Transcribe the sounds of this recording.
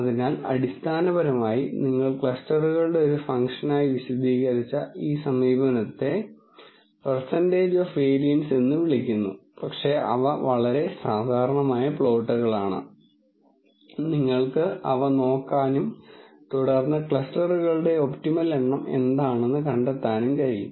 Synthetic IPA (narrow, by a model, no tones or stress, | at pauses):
ɐðinaːlɐ̰ɽist̪ʰaːnɐbɐɾɐmaːjiniŋːɐɭkɭɐsʈɐruɣɐɭɨɽe̞o̞ɾufɐŋkʂɐnaːjiʋiɕɐd̪ʱiːɣɐɾit͡ɕːɐiːsɐmʋiːbɐnɐt̪ːe̞ | persɐnde̞ːd͡ʑofʋeːɾijɐnse̞nːɨʋiɭikʲːunːṵpɐkʂe̞ʔɐ̰ʋɐʋɐɭɐɾe̞saːd̪ʱaːɾɐɳɐmaːjɐpɭo̞ːʈːɐɣɐɭaːɳɨ̰ | niŋːɐɭkɨʔɐ̰ʋɐno̞ːkːaːnumt̪uɽɐrnːɐkɭɐsʈɐruɣɐɭɨɽe̞o̞ptimɐleɳːɐme̞̰nd̪aːɳe̞nːɨkɐɳɖet̪ːaːnumkɐɻijṵm